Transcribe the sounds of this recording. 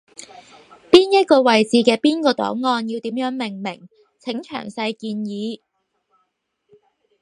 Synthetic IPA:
piː˥njɐ˥t̚kɔː˧wɐ˨jt͡siː˨˧kɛː˧piː˥nkɔː˧t̪ɔ̰ː˨˥ŋŋɔː˧njiː˧wt̪iː˨˥mjœː˨˥ŋmɪ˨˩ŋmɪ˨˩ŋ | t͡sʰɪ˨˥ŋt͡ʃʰœ̰ː˨˩ŋsɐ˧jkiː˧njiː˨˧

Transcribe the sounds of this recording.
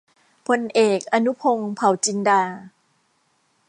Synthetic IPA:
pʰo˧nʔeː˨˩k̚ʔa˧nu˦˥pʰo˧ŋpʰa˨˩˦wt͡ɕi˧ndaː˧

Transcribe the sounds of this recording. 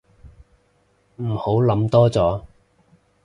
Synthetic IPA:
m̩˨˩ho˨˥wlɐ˨˥mt̪ɔː˥t͡sɔː˨˥

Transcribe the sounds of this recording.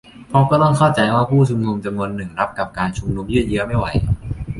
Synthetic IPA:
pʰɔ˦˥kɔː˥˩t̪ɔ˥˩ŋkʰaː˥˩wt͡ɕa˧jwaː˥˩pʰuː˥˩t͡ɕʰu˨˧mnu˧mt͡ɕa˧mnu˧ənːɯ˨˩ŋɾa˦˥p̚ka˨˩p̚kaː˧nt͡ɕʰu˧mnu˧mjɯ˥˩jɯ˦˥əma˥˩jwa˧˩j

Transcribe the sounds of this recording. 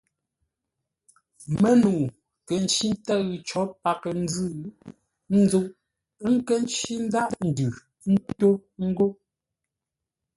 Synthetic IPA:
mə˦nu˨ | kə˨n̩˦t͡ʃi˦n˦ta˦ɣʉ˨t͡ʃɔ˨˦pa˨kə˨n̩˦d͡zɨ˦˨ɣ | n̩˦d͡zu˦ʔ | ŋ̩˦kə˦n˦t͡ʃi˦n̩˦da˦ʔn̩˨dʉ˨˦ | n̩˦to˦ŋ̩˦ɡo˦

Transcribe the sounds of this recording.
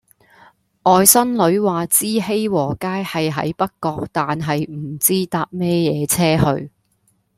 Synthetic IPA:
ʔɔː˨˧jsɐ˥nlɵ˨˧˥ɥwaː˨t͡siː˥he˥jwɔː˨˩kaː˥jhɐ˨jɦɐ̰˨˥jpɐ˥kːɔː˧k̚t̪aː˨nɦɐ˨jm̩˨˩t͡siː˥t̪aː˧p̚mɛː˥jɛː˨˧t͡sʰɛː˥hɵ̰˧ɥ

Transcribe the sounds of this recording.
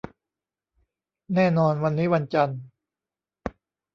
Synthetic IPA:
nɛː˥˩nɔː˧nwa˧nːiː˦˥wa˧nt͡ɕa˧n

